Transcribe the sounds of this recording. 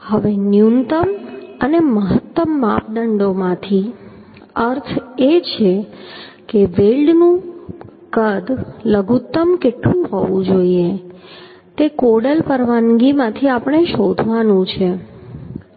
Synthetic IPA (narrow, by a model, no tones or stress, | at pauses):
həʋenjunt̪əməneməɦət̪ːəmːa̰p̚ɖəɳɖomãt̪ʰi | əɾt̪ʰet͡ʃʰe | keʋelɖnũ | kəd̪ləɡʱut̪ːəmkeʈlũɦoʋũd͡ʒoie | t̪ekoɽəlpəɾʋanɡimãt̪ʰiapəɳ̃eʃod̪ʱʋanũt͡ʃʰe